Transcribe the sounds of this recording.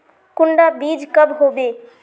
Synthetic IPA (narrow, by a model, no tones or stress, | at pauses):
kʊɳɖabiːd͡ʒkəbɦoːbeː